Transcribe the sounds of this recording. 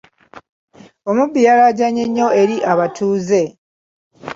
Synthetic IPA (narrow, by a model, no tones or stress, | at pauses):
o̞mubːijalaɟaɲeɲːo̞e̞ɾiʔaβatuːze̞